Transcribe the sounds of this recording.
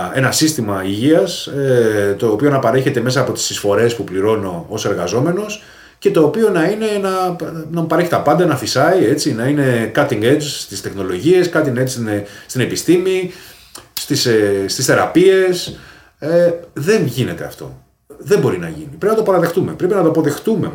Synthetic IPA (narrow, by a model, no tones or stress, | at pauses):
e̞nɐsist̪imɐiʝiɐs | t̪o̞ːpio̞nɐpɐɾe̞çe̞t̪e̞me̞sɐːpo̞t̪i̥sisfo̞ɾe̞spupliɾo̞no̞ose̞ɾɣɐzo̞me̞no̞s | ce̞t̪o̞ːpio̞nɐine̞enɐnɐpɐɾeçi̥t̪ɐpɐnd̪ɐenɐθisɐie̞t͡sinɐine̞kɐt̪iŋɡed͡ʒst̪ist̪exno̞lo̞ʝie̞skɐt̪iŋed͡ʒsnest̪ine̞pist̪imi | st̪isest̪isθe̞ɾɐpie̞s | eðe̞nʝine̞t̪e̞̰ɐ̰ft̪o̞̰ | ðembo̞ɾinɐ̰ʝinipɾeinɐt̪opɐɾɐðe̞xt̪ume̞pɾe̞p̬inɐt̪oɐpo̞ðe̞xt̪ume̞